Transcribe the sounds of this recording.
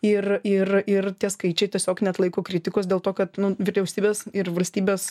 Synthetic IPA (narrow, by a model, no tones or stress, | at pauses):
ɪrɪrɪrt̪ʲiɛskɐɪt͡ʃʲɛɪt̪ʲiɛsʲoːknʲɛt̪lˠɐɪkoːkɾʲɪt̪ʲɪkoːsd̪ʲeːlˠt̪oːkɐt̪nʊʋʲɪɾʲɛʊsʲt̪ʲiːbʲeːsɪɾʋɐlʲsʲt̪ʲiːbʲeːs